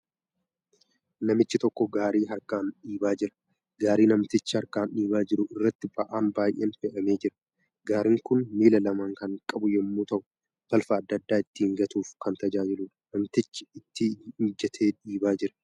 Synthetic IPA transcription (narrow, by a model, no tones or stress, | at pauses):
nɐmɪt͡ʃːɪt̪ɔkːɔɡaːɾiːɦɐɾkaːnɗiːbaːd͡ʒɪɾɐ̥ | ɡaːɾiːnɐmt̪ɪt͡ʃːɪhɐɾkaːnᶑiːbaːd͡ʒɪɾʊɪrːɐt̪ːɪbɐʔaːnbaːjʔeːnfɛʔɐme̞ːd͡ʒɪɾɐ̥ | ɡaːɾɪŋkʊnmiːlɐlɐmaːŋkɐŋkʼɐbʊjɛmːuːt̪ɐʔʊ̥ | b̥ɐlfɐːd̪ːɐd̪ːaːɪt̪ːɪhɪŋɡɐt̪uːfkɐnt̪ɐd͡ʒaːd͡ʒɪluːᶑɐ̥nɐmt̪ɪt͡ʃːɪ̥ɪt̪ːiɪnd͡ʒɛt̪ʰe̞ːᶑiːbaːd͡ʒɪɾɐ̥